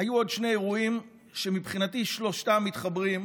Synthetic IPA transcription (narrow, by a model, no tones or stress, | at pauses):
ajuo̞dʃne̞eʁuim | ʃe̞mipχinatiʃlo̞ʃtamːit̪χabʁim